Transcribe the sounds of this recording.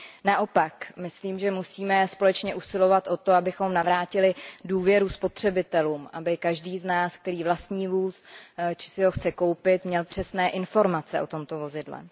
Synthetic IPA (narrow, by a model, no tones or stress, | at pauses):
naʔo̞pakmɪsliːmʒɛmusiːmɛspo̞lɛt͡ʃɲɛʔusɪlo̞vat̪ʔo̞t̪o̞abɪxo̞mnavɾaːcɪlɪduːvjɛɾuspo̞t̪r̝̥ɛbɪt̪ɛluːmʔabɪkaʒdiːznaːsk̚t̪ɛɾiːvlast̪ɲiːvuːst͡ʃɪ̥sɪɦo̞xt͡sɛko̞wpɪt̪mɲɛlpr̥ɛsnɛːʔɪnfo̞ɾmat͡sɛʔo̞̰t̪o̞mt̪o̞vo̞zɪdlɛ̰